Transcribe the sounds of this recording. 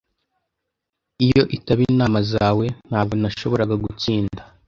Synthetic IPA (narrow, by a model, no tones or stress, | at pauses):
ijo̞ʔitaβinaːmazaːwe̞n̥haːb̚ɡonaʃo̞βo̞ɾaɡaɡut͡siːnda